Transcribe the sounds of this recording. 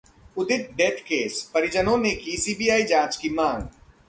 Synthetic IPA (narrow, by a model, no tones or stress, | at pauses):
ʊd̪ɪt̪̚ɖeːʈʰkeːspɐɾɪd͡ʒənõnekisiːbijaːid͡ʒãːt͡ʃkimãːŋɡ